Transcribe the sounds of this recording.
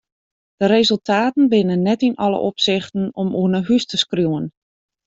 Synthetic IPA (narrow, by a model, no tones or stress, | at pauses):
d̥əɾezəlˠtʰaːtn̩bɪnənːɛtinɔlə̰ʔopsɪxtən̩ɔmuənəɦystəskrjuwən